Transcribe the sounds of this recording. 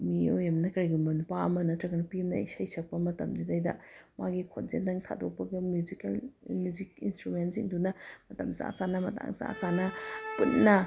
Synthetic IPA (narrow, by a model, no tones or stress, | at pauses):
miojɐmnɐkaɾɡumɐnpaɐmɐnɐtɾɐɡɐnɐpimnɐ̰isajsɐk̚pɐmɐtɐmdidajdɐ̰maɡikʰotzendɐŋtʰa̰dok̚pɐɡɐmjuzikelmjuzikinstɾumenziŋdunɐmɐtɐ̰mt͡ʃa̰t͡sanɐmɐ̰ta̰ŋt͡ʃa̰t͡sanɐpunːɐ